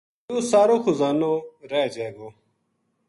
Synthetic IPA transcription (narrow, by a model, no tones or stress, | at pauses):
jõːsaːɾoːxʊzaːnoːɾeːd͡ʒeːɡoː